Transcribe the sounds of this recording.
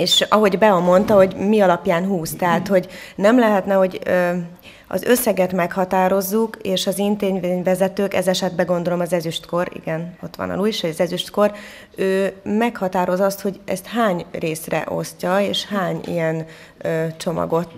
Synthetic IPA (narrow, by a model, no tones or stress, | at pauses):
eːʃɒɦo̞ɟbɛɒmːo̞nt̪ɒɦo̞ɟmiɒlɒpjaːnɦuːst̪ɛɦaːt̪ho̞ɟnɛmlɛɦɛt̪nɛho̞ɟø | ɒ̰zø̞sːɛɡɛt̪mɛkhɒt̪aːɾo̞zːukeːʃɒzint̪eːɲveːɲvɛzɛt̪øːkɛzɛʃɛd̪̚bɛɡo̞nd̪o̞lo̞mɒzɛzyʃt̪ko̞ɾḭɡɛno̞t̪ːʋɒ̰nɒ̰luːjiʃhojɒzɛzyʃt̪ko̞r | øːmɛkhɒt̪aːɾo̞zɒst̪ho̞ɟɛ̰st̪haːɲreːsrɛ̰ʔo̞̰scɒeːʃhaːɲḭjɛn | øt͡ʃo̞mɒ̰ɡo̞t̪